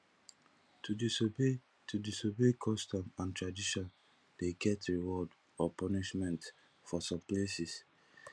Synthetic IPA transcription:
ui | tʰudisobekʰɔstɔ̃mãntɹadiʃɔ̃n | deɡɛtɹiwɔd | ɔpɔniʃmɛ̃nt | fɔsɔ̃mplesis

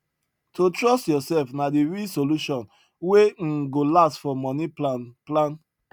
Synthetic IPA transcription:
tʰotɹɔstjɔsɛlfnadiɹisoluʃɔ̃n | weɡolastfɔmɔ̃niplãn

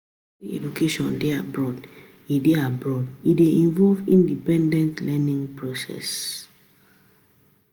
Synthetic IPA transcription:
iɛ̰d͡ʒukeʃɔ̃ndeabɹɔd | ideabɹɔdideĩnvɔlvĩndipɛ̃ndɛ̃ntlɛnĩŋpɹosɛ̰s

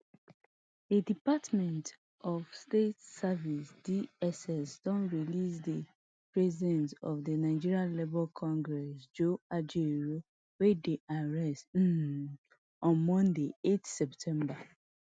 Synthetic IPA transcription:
edipatmɛ̃nt | ɔvstetsavisdiɛsɛsdɔ̃nɹilisde | pɹɛzidɛ̃ntɔ̰vdənaɪd͡ʒiɹialebɔlkʰɔ̃ŋɡɹɛsd͡ʒoad͡ʒeɹo | wedeʔaɹɛst̩ | ɔ̃nmɔ̃ndeetsɛptʰɛ̃mba

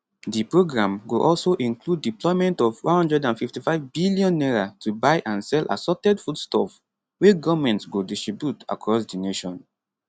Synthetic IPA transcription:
dipɹoɡɹãmɡoʔɔlsoʔĩŋkludːiplɔɪmɛ̃ntɔvwã̰nhɔ̃ndɹɛdãnfiftifaɪvbilijɔ̃nːɛɹatʰubaɪʔãnsɛlʔa̰sɔtɛdfudstɔf | weɡɔvmɛ̃ntsɡodistɹibjuta̰kɹɔsdineʃɔ̃n

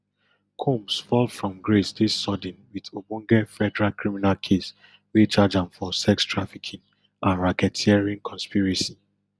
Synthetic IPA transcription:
kʰumsfɔlfɹɔ̃mɡɹesdisːɔdĩnwidobɔ̃ŋɡɛfɛdɛɹakɹiminalkʰes | wit͡ʃad͡ʒãmfɔsɛkstʰɹafikʰĩn | ʔãnɹakɛtʰiɛɹiãnkʰɔ̃nspiɹisi

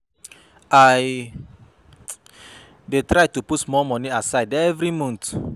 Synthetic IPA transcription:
aɪ | detɾaɪtuputmɔmɔ̃niasaɪdɛvɾimũnt

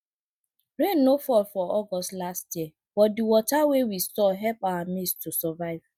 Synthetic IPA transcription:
ɾẽnːofɔlfɔɔɡɔstlastjiɛ | b̥ɔtdɪwɔtawewisɔɦɛlpawamistʰusɔvaɪv̥

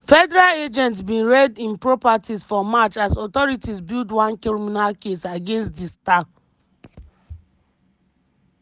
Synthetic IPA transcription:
fɛdɛɹaled͡ʒɛ̃ntsbĩnɹɛdĩnpɹɔpatizfɔmat͡ʃasɔtɔɹitizbildwãnkɹiɹiminalkesaɡẽnstdistak

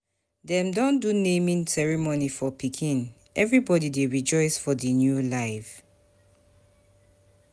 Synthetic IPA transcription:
dɛ̃mdɔ̃ndunẽmĩnsɛɹimonifɔpikʰĩn | ʔɛvɹibɔdideɹid͡ʒɔɪsfɔdinjulaɪf

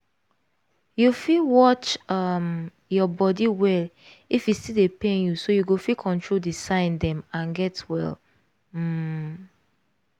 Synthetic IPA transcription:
jufilwɔt͡ʃʌm | jɔbɔdiwɛl | ifjistildepẽnjusojuɡofikʰɔ̃ntʰɹoldisãɪ̃ndɛ̃mãnɡɛtwɛ̰l̩

